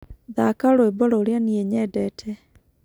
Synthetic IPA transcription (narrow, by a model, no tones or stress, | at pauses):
ðakaɾoebɔɾooɾeanieɲɛdɛːtʰɛ